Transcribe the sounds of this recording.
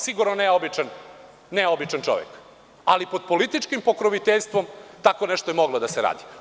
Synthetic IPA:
siɡuɾnoneobit͡ʃan | neobit͡ʃant͡ʃo̞̰ʋḛk | a̰lipo̞d̪̚po̞lit̪it͡ʃkimpo̞kɾoʋit̪eʎʲst̪ʋo̞mt̪akoneʃt̪ojemoɡlˠod̪aseɾa̰ːd̪i̥

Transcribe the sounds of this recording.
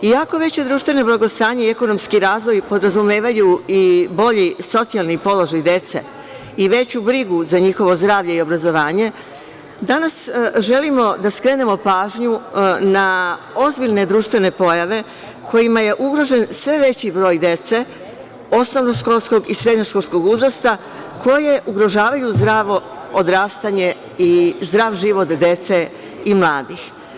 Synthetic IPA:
ijako̞ʋe̞t͡ɕe̞d̪ɾuːʃt̪ʋe̞no̞blaɡo̞st̪aːɲeie̞ko̞no̞mskiɾaːzʋo̞jpo̞d̪ɾazumeːʋajuibo̞ʎiso̞t̪sialnipo̞lˠoʒajd̪e̞t̪sḛ | iʋe̞t͡ɕubɾiɡuzaɲixo̞ʋo̞zd̪ɾaːʋʎe̞io̞bɾazo̞ʋaːɲe̞ | d̪anasʒe̞limo̞d̪askɾe̞ːne̞mo̞paːʒɲuna | o̞zbilʲne̞d̪ɾuːʃt̪ʋe̞ne̞po̞jaʋe̞ | kʰo̞jimaje̞ʔuɡɾo̞ʒe̞nsʋe̞ʋe̞t͡ɕibɾo̞ːjd̪je̞t̪se̞ | o̞sno̞ʋno̞ʃko̞lˠsko̞ɡisɾe̞d̪ɲoʃko̞lˠsko̞ɡuzɾost̪a | kʰo̞je̞ʔuɡɾo̞ʒaːʋajuzd̪ɾaːʋo̞ | od̪ɾaːst̪aɲe̞ | izd̪ɾaːʋʒiʋo̞t̪d̪e̞t̪se̞ | imlˠaːd̪ix

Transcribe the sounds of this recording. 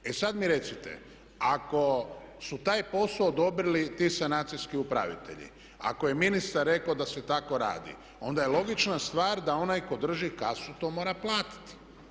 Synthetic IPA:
e̞sad̪miɾe̞t̪sit̪e̞̰ | ako̞sut̪aːjpo̞soːd̪o̞bɾilit̪iːsanaːt̪sijskiupɾa̰ʋḭt̪e̞̰ʎḭ | a̰ko̞je̞minist̪aɾːe̞kod̪ase̞t̪ako̞ɾa̰ːd̪ḭ | o̞nd̪ajelo̞ɡit͡ʃnast̪ʋaːɾd̪ao̞najko̞d̪r̩ʒikasut̪o̞ːmo̞ːɾaplˠaːt̪i̥t̪

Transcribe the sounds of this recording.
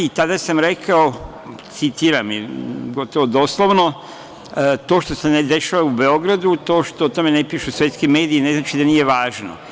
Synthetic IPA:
it̪ad̪asamɾe̞kʰao | t̪sit̪iɾamiɡo̞t̪oʋod̪o̞slˠoʋno̞ | t̪o̞ːʃt̪o̞sened̪e̞ʃaʋaube̞o̞ɡɾad̪ut̪o̞ːʃt̪ot̪o̞me̞nepiːʃusʋe̞t̪skime̞ːd̪iineznat͡ʃid̪anije̞ʋaːʒno̰

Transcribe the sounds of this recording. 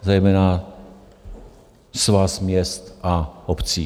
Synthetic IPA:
zɛjmɛːna | svasmɲɛst̪ʔaopt͡siː

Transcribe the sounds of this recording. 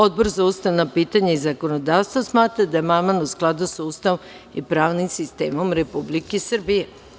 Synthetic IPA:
o̞d̪̚bo̞ɾzaust̪aʋnapiːt̪aɲaizako̞nod̪aːʋst̪ʋosmaːt̪ɾad̪ajemamanusklˠad̪usaust̪aʋom | ipɾaːʋnimsist̪e̞̰ːmo̞mɾe̞publikesr̩bije

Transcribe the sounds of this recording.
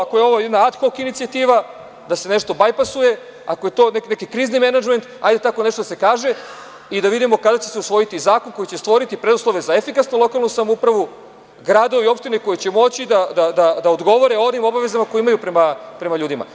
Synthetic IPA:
akojeo̞ʋojed̪naat̪xokinit̪siat̪iːʋa | d̪ase̞ne̞ʃt̪o̞bajpasuje̞ | akojet̪o̞ːneknekikɾiːznime̞nad͡ʒme̞nt̪a̰jd̪e̞t̪ako̞ne̞ʃt̪od̪asekaːʒe̞ | id̪aʋid̪imo̞kad̪at͡ɕeseusʋo̞jit̪izaːko̞nko̞jit͡ɕest̪ʋo̞ɾit̪ipɾed̪uslˠo̞ʋezaefikasnolˠo̞kalˠnusamoupɾaʋu | ɡɾaːd̪o̞ʋio̞pʃt̪ineko̞jet͡ɕe̞mo̞t͡ɕid̪ad̪ad̪ad̪aod̪ɡo̞ʋo̞ɾeonimo̞baʋe̞zamakojiimajupɾemapɾe̞maʎuːd̪ima̰

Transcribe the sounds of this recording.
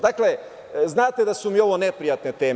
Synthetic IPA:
d̪akle | znaːt̪e̞d̪asumio̞ʋone̞pɾijat̪ne̞t̪e̞ː

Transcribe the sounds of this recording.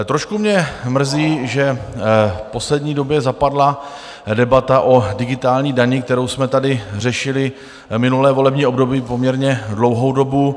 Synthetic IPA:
t̪ɾoʃkumɲɛmr̩ziːʒɛ | fpo̞slɛdɲiːdo̞bjɛzapadla | dɛbat̪aʔo̞dɪɡɪt̪aːlɲiːdaɲɪk̚t̪ɛɾo̞wsmɛt̪adɪr̝ɛʃɪlɪ | mɪnulɛːvo̞lɛbɲiːo̞bdo̞biːpomɲɛɾɲɛdlo̞wɦowdo̞bu

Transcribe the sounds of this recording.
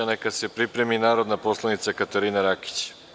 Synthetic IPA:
anekase̞pɾipɾe̞minaːɾod̪napo̞slˠanit̪sakat̪aɾiːnaɾaki̥t͡ɕ

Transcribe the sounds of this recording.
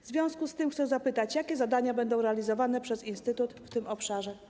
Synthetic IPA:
vzvʲjɔ̃w̃skust̪ɘmxt̪sɛzapɘt̪at͡ɕjakʲɛzad̪aɲabɛnd̪ɔ̃w̃ɾɛalʲizɔvanɛpʂɛzinst̪ɘt̪ut̪ft̪ɘmɔpʂaʐɛ

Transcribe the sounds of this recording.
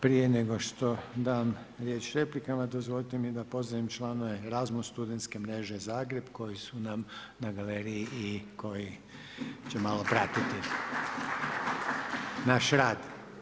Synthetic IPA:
pɾije̞neɡo̞ʃt̪o̞d̪aːm | ɾjeːt͡ʃɾe̞plikamad̪ozʋo̞lit̪emid̪apo̞zaʋimt͡ʃlˠaːnoʋeɾazmusst̪ud̪ent̪ske̞mɾe̞ʒe̞zaːɡɾe̞bko̞jisunam | naɡaleɾiiikʰo̞ji | t͡ɕemalˠo̞pɾat̪it̪i | naʃɾaːd̪

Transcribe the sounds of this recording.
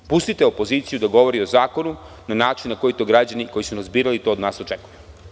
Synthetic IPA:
pust̪it̪eo̞po̞ziːt̪sijud̪aɡo̞ʋo̞ɾio̞zaːko̞nu | nanaːt͡ʃinːako̞jit̪o̞ɡɾad͡ʑaniko̞jisunazbiːɾalit̪o̞od̪naːso̞t͡ʃekuju

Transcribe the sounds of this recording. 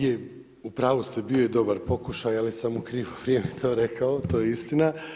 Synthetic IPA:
je | upɾaːʋost̪ebiojed̪o̞baɾpo̞kuʃajalisamukɾiːʋoʋɾjemet̪ʰoːɾekʰaot̪o̞ːjeist̪ina

